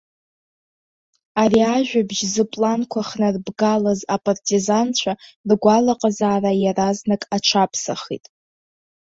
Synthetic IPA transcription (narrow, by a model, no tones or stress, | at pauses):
ariaʒᶣabʒzɨpʼlankʷʰaχnarbɡalazapʼartʰʼizant͡ʃʷʰarɡʷalaqʼazaːrajaraznakʼat͡ʃʷʰapʰsaχḭtʼ